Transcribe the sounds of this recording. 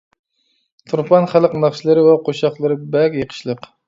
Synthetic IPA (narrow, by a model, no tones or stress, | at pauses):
t̪ʰuɾpʰɑnχælˠəqnɑχʃlˠɨɾɨwɛqʰoʃɑχlˠɨɾɨbɛkʲjəqʰə̥ʃlˠəq